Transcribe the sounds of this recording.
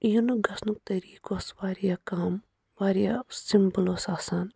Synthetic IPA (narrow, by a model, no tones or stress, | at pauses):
junuɡɐsnuk̚t̪ɐɾiːkoːsʋaːɾijakaːm | ʋaːɾijasimbuloːsaːsan